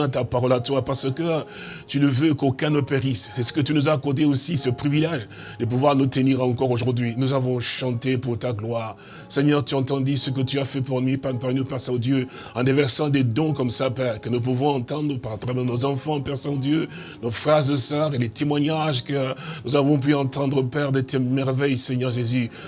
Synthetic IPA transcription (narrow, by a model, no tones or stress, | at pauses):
ɛ̃t̪apaʁɔlat̪wapaʁsəkət̪ynəvøkokɛ̃nopeʁissɛsə̥kət̪ynuzaːkɔʁd̪eosisəpχivilɛʒ | d̪əp̬uvwaʁnut̪əniʁɑ̃kɔʁoʒuʁd̪ɥinuzavɔ̃ʃɑ̃t̪epuʁt̪aɡlwaːʁ | sɛɲœʁt̪yɑ̃t̪ɑ̃d̪isək̬ət̪yafɛpuʁnipapaʁnupɛʁsãod̪jø | ɑ̃d̪evɛʁsɑ̃d̪ed̪ɔ̃kɔmsapɛʁkənup̬uvɔ̃ɑ̃t̪ɑ̃d̪ʁəpaʁat̪ʁamɛ̃nozɑ̃fɑ̃pɛʁsãd̪jø | nofχazesœʁelet̪emwaɲaʒkənuzavɔ̃p̬yɑ̃t̪ɑ̃d̪ʁəpɛʁd̪ɛt̪emɛʁvɛjsɛɲœʁʒezy